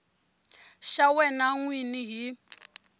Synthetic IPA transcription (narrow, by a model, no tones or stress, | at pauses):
ʃawɛnaŋwiniɦi